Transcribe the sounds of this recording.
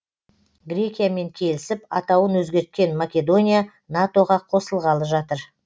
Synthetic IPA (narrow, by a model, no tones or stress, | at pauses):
ɡɾʲe̞kʲijame̞ŋkʲʰe̞lɪsɪpɑt̪ɑwənwɵzɡʲe̞ɾt̪̚kʲe̞nmakʲe̞d̪o̞nʲija | nat̪o̞ʁɑqʰo̞səlˠʁɑlˠəʒɑt̪əɾ